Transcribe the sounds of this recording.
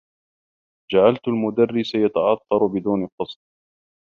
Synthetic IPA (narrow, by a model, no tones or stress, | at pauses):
d͡ʒaʕalt̪almʊd̪arːɪsajat̪aʕɑt̪ːɑɾˤbɪd̪uːnqɑsˤt̪